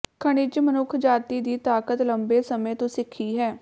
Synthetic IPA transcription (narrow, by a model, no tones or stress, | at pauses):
kʰəɽ̃ɪt͡ʃmənʊkʰːd͡ʒaːt̪iːd̪iːt̪aːkət̪ləmbeːsəmẽːt̪õːsɪkʰːiːɦɛː